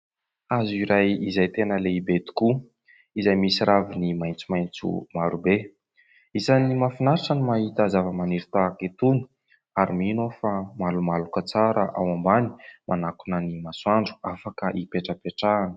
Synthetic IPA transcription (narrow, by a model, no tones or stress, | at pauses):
aziɾajizajt̪enəleibet̪i̥ku | izajmisiɾʔavinimajnt͡sumajnt͡sṵmaɾube | izanimafinaɾʈ͡ʂənimaɦit̪azavəmaniɾit̪aket̪uni̥ | aɾiminofamalumalukət͡saɾəʔawambani̥mʔanakunənimaswaɳɖ͡ʐu̥afakəʔipeʈ͡ʂəpeʈ͡ʂanə̥